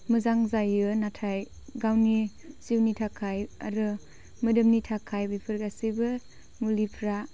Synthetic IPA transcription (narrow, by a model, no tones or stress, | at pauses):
mɯzaŋzajɯnatʰaj | ɡawni | siwnitʰakʰaja̰ɾɯ | mɯdɯmnitʰakʰajbipʰɯɾɡasibɯ | mulipʰɾa